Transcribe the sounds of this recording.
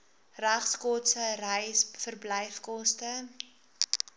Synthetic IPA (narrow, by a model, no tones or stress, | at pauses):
ræχskɔtsərəjsfərbləjfkɔstə